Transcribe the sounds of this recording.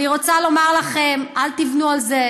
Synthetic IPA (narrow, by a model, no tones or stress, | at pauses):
iʁot͡salo̞maʁlaχe̞malt̪ivnualze